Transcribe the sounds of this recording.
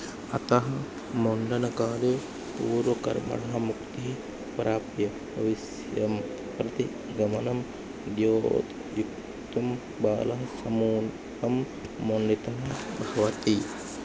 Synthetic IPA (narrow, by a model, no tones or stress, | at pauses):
ɐt̪ɐɦɐ | moɳɖɐnɐkaːle | puːɾʋɐkɐ̰ɾmɐ̰ɽɐɦɐmukt̪iɦi | pɾaːpjɐ | ɐʋis | jɐm | pɾɐt̪i | ɡɐmɐnɐm | d̪joːt̪ | juk̚ | t̪ɐm | baːlɐɦɐsɐmuːn | ɦɐmː | oɳɖit̪ɐnɐbʱɐʋɐt̪i